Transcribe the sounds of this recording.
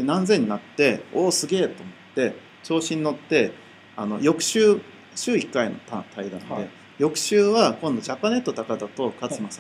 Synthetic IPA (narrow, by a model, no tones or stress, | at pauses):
d̪enãnzẽ̞ɲ̟ːinat̪ːe̞oːsɨɡe̞ːt̪o̞ːmo̞t̪ːe̞ | t͡ɕo̞ːɕĩɲ̟ino̞t̪ːe̞ | ano̞̰jo̞kɯ̟̥ɕɨː | ɕɨːikːaino̞t̪at̪aid̪ã̰nd̪e̞ | jo̞kɯ̟̥ɕɨːβakõ̞nd̪o̞ʑapːane̞t̪ːo̞t̪akad̪at̪o̞kast͡sɨmas